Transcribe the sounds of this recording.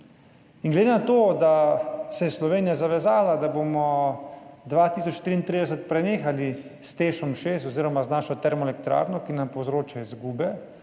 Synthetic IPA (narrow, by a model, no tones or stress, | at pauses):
inɡlɛd̪enat̪oːd̪asɛjɛslɔʋeːnijazaʋɛzaːlad̪abomɔ | d̪ʋat̪iːs̬ɔt͡ʃt̪ɾiːnt̪ɾid̪ɛs̬ɛt̪̚pɾɛneːxalist̪eːʃɔmʃes̬t̪ɔziːɾɔmaznaːʃɔt̪ɛɾmɔɛlɛk̚t̪ɾa̰ːɾnɔkinampowzɾoːt͡ʃaizɡuːbɛ